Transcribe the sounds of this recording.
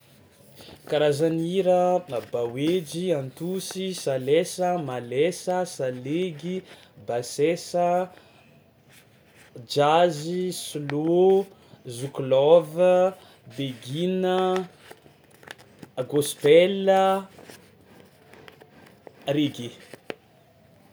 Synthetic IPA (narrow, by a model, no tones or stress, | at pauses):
kaɾazaniɾəmabawed͡ʒiant̪usisalesəmalesəsaleɡi | basesə | d͡ʒazislo | zuklɔvə | beɡinə | ɡospɛlə | ɾeɡe